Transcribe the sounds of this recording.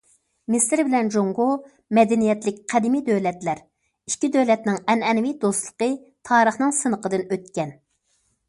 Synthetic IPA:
mɪsɾbɪlɛnd͡ʒoŋɡo | mɛd̪ɛnijɛt̪lɪk̚ʲqʰæd̪ɪmid̪øwlɛt̪læɾ | i̥ʃkʲid̪ølɛt̪nɪŋɛnɛnvid̪ost̪lˠə̥qə | t̪ʰɑːɾəχnɨŋsɨnəqəd̪ɨnøt̪kʲɛn

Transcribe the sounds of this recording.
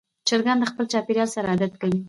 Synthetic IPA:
t͡ʃəɾɡand̪əxpəlt͡ʃɑpiɾjɑlsaɾaad̪at̪kawi

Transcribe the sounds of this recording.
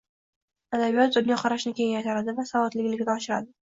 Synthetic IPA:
ad̪abijɒt̪zʊb̪nʲaqʰɑɾaʃnɪkʲe̞jɪŋjat̪ʰaɾad̪ɪvasavɒt̪lɪɡʲlɪkʲd̪aɒʃɪɾad̪ɪ

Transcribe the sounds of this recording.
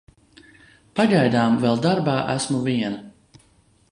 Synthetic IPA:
paɡajd̪aːmvɛlˠd̪aɾbaːʔæsmuviɛnɐ

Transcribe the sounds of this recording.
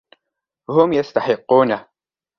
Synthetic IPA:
whʊmjast̪aħɪqːuːna

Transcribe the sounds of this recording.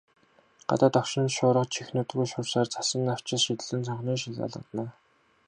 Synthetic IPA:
ɢ̥a̰t̪aːt̪ɔkʃɪ̆nʃʊːɾə̆qt͡ɕʰixnuːt̪ɣujʃʊːrsaːrt͡sʰḁsə̆nːaw̥t͡ɕɪ̆ɮʃit̪ɘ̆ɮɘ̆nt͡sʰɔɴχniːʃ̬iɮa̰ɮə̆t̪naː

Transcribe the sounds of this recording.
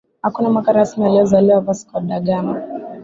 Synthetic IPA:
hakunamwakaɾasinialiɔzaliwavasi̥kɔɗaɠama

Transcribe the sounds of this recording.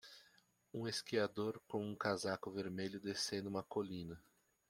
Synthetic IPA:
ũeskiad̪oɾkõw̃ũkazakʊveɾmeʎʊd̪esẽd̪ʊũmɐkolĩnɐ

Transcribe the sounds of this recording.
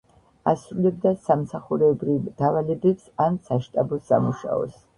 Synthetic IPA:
asɾulɛb̚d̪asamsaχuɾɛbɾivd̪̥avalɛbɛpsansaʃt̪ʼabɔsa̰muʃa̰ɔ̰s

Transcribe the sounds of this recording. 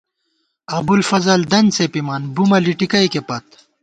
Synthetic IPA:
ɐbulfɐzɐld̪ɐnsepimaːnbumɐliʈikɐjkepɐt̪̚

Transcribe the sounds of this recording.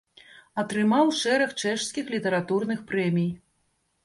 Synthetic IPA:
ɐt̪ɾɨmawʂɛɾɐxt͡ʂɛʂskʲixlʲit̪ɛɾat̪urnɨxpɾɛmʲij

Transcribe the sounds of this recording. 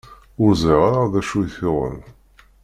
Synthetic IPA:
ʊɾzˤiʁaɾaðæʃujθʊʁˤə̰n

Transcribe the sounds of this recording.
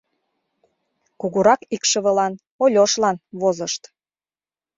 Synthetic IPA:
kuɣuɾɑkikʃə̆βə̆lɑn | olʲoʃlɑnβozəʃt̪

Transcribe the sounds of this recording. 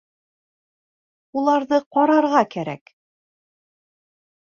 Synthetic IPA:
ulˠɑɾðɤqɒɾɑɾʁɑkæɾæ̰k

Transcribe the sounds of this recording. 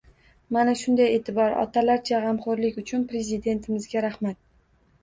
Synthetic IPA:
manaʃʊnd̪aje̞ːt̪ʰɪbɒɾɒ̰t̪ʰalaɾt͡ʃʰaʁɑmχoɾlɪkʲʊt͡ʃʰʊnpɾe̞zɪd̪e̞nt̪ʰɪmɪzɡʲaɾaχmat̪̚

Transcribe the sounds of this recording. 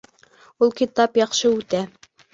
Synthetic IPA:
ulˠkit̪ɑpjɑqʃɤʉt̪æ

